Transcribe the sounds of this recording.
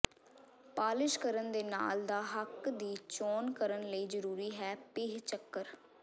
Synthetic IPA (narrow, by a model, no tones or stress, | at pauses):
paːlɪʃkəɾənd̪eːna̰ːld̪aːɦəkd̪iːt͡ʃoːnkəɾənləiːzəɾuːɾiːɦɛːpɪːɦt͡ʃəkːəɾ